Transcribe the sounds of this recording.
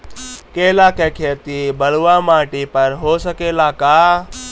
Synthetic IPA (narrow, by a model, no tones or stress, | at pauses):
keːlaːkeːkʰeːt̪ibəluʋaːmaːʈipɐɾɦoːsəkeːlaːkaː